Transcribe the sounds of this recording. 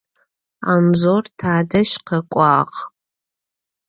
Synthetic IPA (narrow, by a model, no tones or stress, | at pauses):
a̰mzoːrtʰaːdɐʃqɐkʷʼɑːq